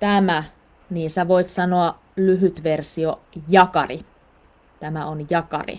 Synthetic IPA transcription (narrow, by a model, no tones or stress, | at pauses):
t̪æmæ | niːsæʋoit̪sɑnoɑ | lyɦyt̪ʋersio | jɑkɑri | t̪æmæonjɑkɑ̰rḭ